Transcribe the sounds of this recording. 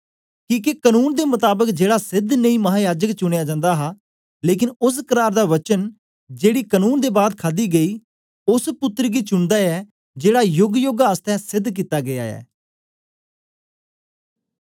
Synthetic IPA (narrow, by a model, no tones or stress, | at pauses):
kiːk̬ekənuːnd̪eːmʊt̪aːbəkd͡ʒeːɽaːsɪd̪nəĩːmɐɦaːjaːd͡ʒəkt͡ʃʊɽ̃ejaːd͡ʒãːnd̪aːɦaː | leːk̬ɪnʊs̬kəɾaːɾd̪aːʋət͡ʃən | d͡ʒeːɽiːkənuːnd̪eːbaːd̪kʰaːd̪iːɡəiː | ʊspʊt̪ːəɾɡiːt͡ʃʊɳd̪aːɛː | d͡ʒeːɽaːjʊɡjoːɡaəst̪ɛ̃ːsɪd̪ːk̬it̪ːaːɡɪja̰ːɛ̰ː